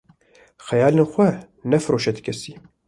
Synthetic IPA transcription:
xɛjaːleːnxʷɛ | nɛfɨɾoːʃɛd̪kʲʰɛsiː

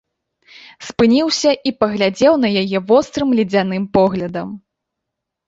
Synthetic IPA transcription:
spɨnʲiwsʲɐʔipɐɣlʲad͡zʲɛwnɐjajɛvɔst̪ɾɨmlʲid͡zʲanɨmpɔɣlʲɐd̪ɐm

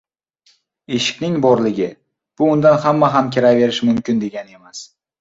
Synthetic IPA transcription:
e̞ʃɪ̥kʲnɪŋbɒɾlɪɡʲɪ | b̥ʊʊnd̪anɦamːaɦamkʲʰeɾave̞ɾɪʃmʊmkʲɪnd̪e̞ɡʲane̞mas

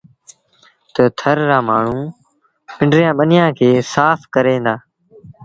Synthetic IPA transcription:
t̪ət̪ʰəɾɾaːmaːɳ̤ũː | ɪ̃ɳɖɾɪjãːɓənɪjãːkʰeːsaːfkəɾẽːnd̪aː

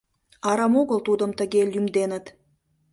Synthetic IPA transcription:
ɑɾɑmoɣəlˠt̪ud̪ə̆mt̪ə̆ɡʲelʲjymd̪enə̆t̪

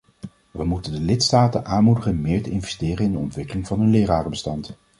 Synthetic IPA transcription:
ʋəmutəndəlɪtstaːtənʔaːnmudəχənmɪːɹtəɪnvɛstɪːrənɪndəɔntʋɪkəlɪŋvɑnɦɵnlɪːraːrəbəstɑnt

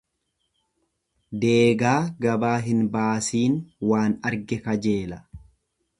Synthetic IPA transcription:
d̪e̞ːɡaːɡɐbaːɦɪnbaːsiːnwaːnɐɾɡɛkɐd͡ʒe̞ːlɐ

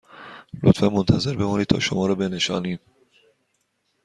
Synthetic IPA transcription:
lo̰t̪fænmont̪ʰæze̞ɾbe̞mɒːniːd̪̚t̪ʰɒ̰ːʃomɒːɾɒːbe̞ne̞ʃɒ̰ːniːm

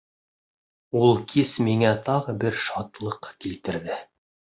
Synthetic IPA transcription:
ulˠkʰismiŋæt̪ɑʁɤbɘɾʃɑt̪lˠɤqkilt̪ɘ̆ɾðɘ

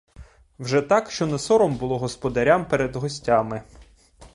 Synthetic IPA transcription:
wʒɛt̪ɑkʃt͡ʃɔnɛsɔɾɔmbʊlˠɔɦɔspɔd̪ɐɾʲampeɾed̪ɦɔsʲtʲamɪ

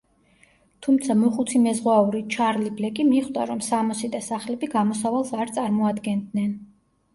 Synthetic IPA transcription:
t̪ʰumt̪sʰamuχut̪sʰimɛzʁwauɾit͡ʃʰaɾliblɛkʼimiχd̪a̰ɾɔmsamɔsid̪asaχlɛbiɡamɔsavalˠsaɾt̪sʼaɾmɔad̪ɡɛnd̪nɛn

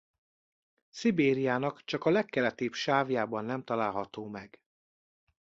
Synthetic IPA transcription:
sibeːɾijaːnɒkt͡ʃɒkɒlɛkːɛlɛt̪eːpʃaːvjaːbɒnːɛmt̪ɒlaːlɦɒt̪oːmɛɡ̥

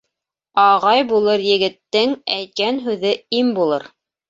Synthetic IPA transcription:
ɑʁɑjbulˠɤɾjɘ̆ɡɘ̆t̪ːɘŋæjt̪̚kænɦʉðɘimbulˠɤ̰ɾ

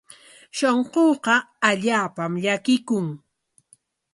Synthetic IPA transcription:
ʃoɴqoːqɑaʎaːpamʎakɪkʊŋ

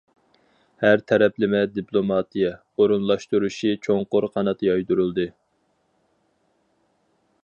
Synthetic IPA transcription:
hæɾt̪ʰɛɾɛplɪmɛd̪iplˠomɑːt̪ijɛ | oɾunlˠɑʃt̪uɾuʃit͡ʃʰoŋqʊɾqʰɑnɑt̪jɑjd̪uɾulˠd̪ɨ

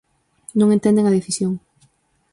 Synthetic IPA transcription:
nõŋẽnt̪ẽnd̪eŋɐðeθisjoŋ

